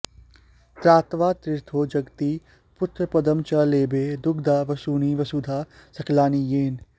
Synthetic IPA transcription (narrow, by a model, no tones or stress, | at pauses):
t̪ɾaːt̪ʋaːt̪ɾɪɾt̪ʰoːd͡ʒɐɡt̪iː | pʊt̪ɾəpɐd̪əmt͡ʃɐleːbeːd̪ʊɡd̪aːʋɐsuːniːʋɐsuːd̪ʱaːsɐklaːnijeːn